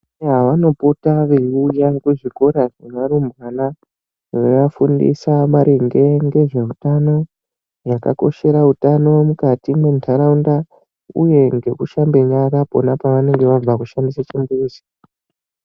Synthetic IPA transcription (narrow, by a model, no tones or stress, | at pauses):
ɦaʋano̞potaʋeujakuʐiko̞ɾaʐemaɾumbwana | ʋeʋafundḭsamaɾʔiŋɡe̞ŋɡe̞ʐe̞utano̞ | jaka̰ko̞̰ʃe̞ɾautano̞mukatimwe̞ntʰaɾaunda | uje̞ŋɡe̞kuʃambe̞ɲaɾapo̞̰napaʋane̞ŋɡe̞ʋab͡vakuʃandisat͡ʃimbuiːsi̥